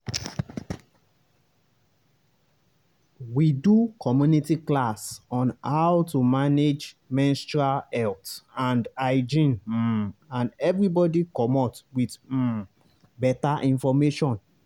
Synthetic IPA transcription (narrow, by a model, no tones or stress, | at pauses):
widukʰɔmjunitiklasɔ̃nhawtumaned͡ʒ | mɛ̃nstɹalɛltãndaɪd͡ʒĩn̩ | ãnɛvɹibɔdikɔmɔtwit̩ | bɛtaʔĩnfɔmeʃɔ̃n